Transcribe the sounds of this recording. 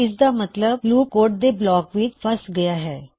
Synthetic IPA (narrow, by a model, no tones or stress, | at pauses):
ɪs̬d̪aːmət̪ləb̚luːkoːʈ̚d̪eːblɔːkʋɪt͡ʃpʰəsɡɐjaːɦɛː